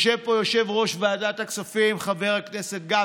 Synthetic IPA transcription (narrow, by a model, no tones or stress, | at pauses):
ʃevpo̞jo̞ʃe̞vʁo̞ʃveadat̪aksofimχave̞ʁakneset̪̚ɡa